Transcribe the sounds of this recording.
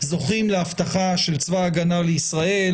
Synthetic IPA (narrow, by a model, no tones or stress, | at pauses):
zo̞χimleaft̪aχaʃelt͡svaːɡanaleisʁae̞l